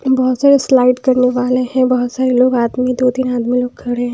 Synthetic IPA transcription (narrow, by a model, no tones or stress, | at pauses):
bɐɦʊt̪saːɾeslaːɪʈkɐɾneʋaːlehɛ̃bɐɦʊt̪saːɾeloːɡaːd̪mid̪oːt̪inaːd̪miloːɡ̚kʰɐɽeɦɛ̃